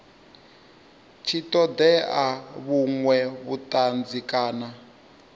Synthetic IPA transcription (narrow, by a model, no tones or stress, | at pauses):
t͡ʃʰitɔd̪ɛʔaβuŋwɛβutʼand͡zikʼaːna